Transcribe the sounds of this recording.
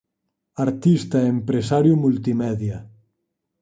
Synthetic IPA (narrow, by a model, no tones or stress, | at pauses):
aɾt̪ist̪aeempɾesaɾjumult̪imɛðja